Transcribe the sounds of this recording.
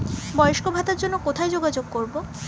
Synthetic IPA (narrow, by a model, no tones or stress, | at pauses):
bɔjoʃkobʱat̪aɾd͡ʑonːokot̪ʰajd͡ʑoɡad͡ʑoɡ̚koɾbo